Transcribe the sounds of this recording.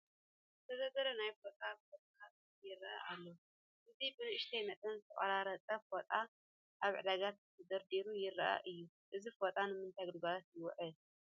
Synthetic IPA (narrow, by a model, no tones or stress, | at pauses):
t̪ʰɐzɐzɐɾɐnajfot̪ʼabfot̪ʼɐ̥kat̪ʼtjɪɾɐʔa̰ʔalːo | ʔɨzibɨnɨɨʃt̪ʰejmɐt̪ʼɐnzɨt̪ʰɐχʼɐɾaɾɐt͡sʼɐfot̪ʼa | ʔaβʕɨ̰d̪aɡat̪t̪ʰɐd̪ɐɾd̪iɾujɪɾːɐʔa̰ʔɨjːu | ʔɨzifot̪ʼanɨmɨnt̪ʰajɡd̪ɨbaɾat̪jɪwɔʕɨl